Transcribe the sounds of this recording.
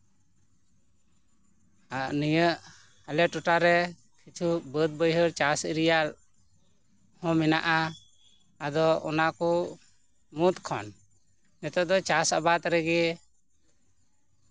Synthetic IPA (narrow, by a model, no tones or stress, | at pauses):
aʔnijəʔ | alɛʈuʈaɾɛ | kʰit͡ʃʰubəd̪̚bəjɦəɾt͡ʃasiɾijal | hɔ̃mɛnaʔa | ad̪ɔɔ̰nakɔ | mut̪kʰɔ̰n | mɛt̪ɔd̪ɔt͡ʃasabat̪ɾɛɡɛ